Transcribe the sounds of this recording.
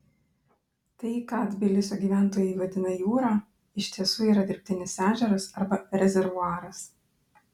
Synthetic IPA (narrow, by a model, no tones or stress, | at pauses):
t̪ɐɪkɑd̪ʲbʲɪlʲɪsʲoːɡʲiːʋʲæˑnˑt̪oːjɛɪʋɐd̪ʲɪnɐjuːɾɑː | ɪʃʲt̪ʲiɛsuːiːɾɐd̪ʲɪɾʲpʲt̪ʲɪnʲɪsæːʒʲɛɾɐsɐɾbɐɾʲɛzʲɛɾʋʊɑːɾɐs